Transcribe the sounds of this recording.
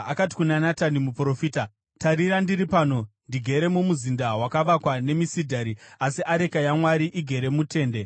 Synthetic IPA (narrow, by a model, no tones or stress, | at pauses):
akati̥kunanatanimupɾo̞fita | taɾiɾandiɾipaːno̞ndiɡʱe̞ɾe̞mumuzindawakaʋakwane̞misidʱaɾiasiʔaɾe̞kajamwaɾiʔiɡʱe̞ɾe̞mute̞ːnde̞